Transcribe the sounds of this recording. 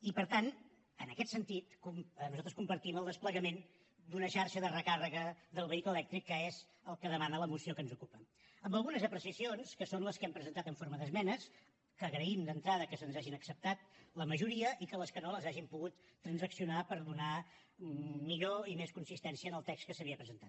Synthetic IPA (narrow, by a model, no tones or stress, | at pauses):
ipəɾt̪an | ənəkɛt̪sənt̪it̪kumnuzalˠt̪ɾə̥skumpəɾt̪iməlˠd̪əspləɣəmen | d̪unəʃaɾʃəðərəkarəɣəðəlˠβəikləlɛk̚t̪ɾikːəez | əlˠkəðəmanələmusiokənzukupə | əmbəlˠɣunəzəpɾəsiəsionskəsonləskɛmpɾəzənt̪at̪əɱfoɾməðəzmɛnəs | kəːɣɾəimd̪ənt̪ɾaðəkəsənzaʒinəksəp̚t̪at̪̚ləməʒuɾiəʔikələskənoləzaʒimpuɣut̪ːɾənzəksiunapəɾðuna | miʎoimeskunsist̪ɛnsiəːnəlˠt̪ɛkskəsəβiəpɾəzənt̪att̪